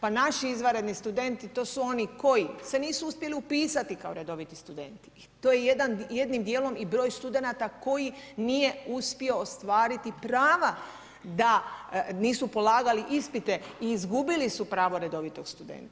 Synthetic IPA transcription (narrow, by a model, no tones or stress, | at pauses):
panaʃiizʋaɾe̞d̪nist̪ud̪e̞nt̪it̪o̞ːsuo̞niko̞jise̞niːsuuspje̞liupiːsat̪ikaoɾe̞d̪o̞ʋit̪ist̪ud̪e̞̰nt̪i̥ | t̪oːjejed̪anje̞d̪nimd̪je̞ːlo̞mibɾo̞ːjst̪ud̪e̞nat̪ako̞jinije̞uspio̞ːst̪ʋaːɾit̪ipɾaːʋa | d̪aniːsupo̞laːɡaliʔispit̪e̞iːzɡubilisupɾaːʋo̞ɾe̞d̪o̞ʋit̪o̞ɡst̪ud̪ḛnt̪